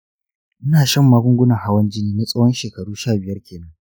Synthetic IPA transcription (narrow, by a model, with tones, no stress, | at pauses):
ʔɪ˦naː˨ʃɐ˦˨mːaː˦ɡʷʊ˦ŋɡʷʊ˦nɐ˨ŋha˦wɐ˦nd͡ʒɪ˦niː˦niː˦sʼɐ˦wɔ˦nʃeː˨kɐ˨ɽuː˦ʃaː˦˨bɪ˨jɐ˦rkʲeː˨nɐ˦ŋ